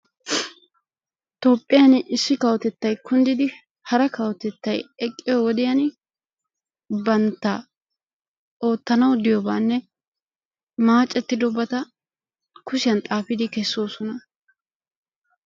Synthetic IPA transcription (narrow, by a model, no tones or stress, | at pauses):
t̪o̞ːpʼːɪjɐnɪsːɪkɐwɔt̪ɛt̪ːɐjkʊnd̪ɪd̪ɪ | hɐɾɐkɐwɔt̪ɛt̪ːɐjɛkʼːɪjɔwɔd̪ɪjɐn | bɐnt̪ːɐ | o̞ːt̪ːɐnɐwd̪ɪjɔbaːnːɛ | maːt͡ʃʼːɛt̪ːɪd̪ɔbɐt̪ɐ | kʊʃɪjɐnt̪ʼaːfɪd̪ɪkɛsːo̞ːsɔnɐ